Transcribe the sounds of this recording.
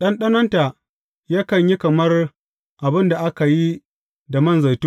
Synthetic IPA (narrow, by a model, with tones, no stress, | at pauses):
ɗɐ˦nɗɐ˦nɐ˦nta˨ | jaː˦kɐ˨ɲji˦kɐ˨mɐ˦r | ʔa˨bɪ˦nda˨ʔa˦ka˨ji˦ | da˨mɐ˦˨nza˨jtu˦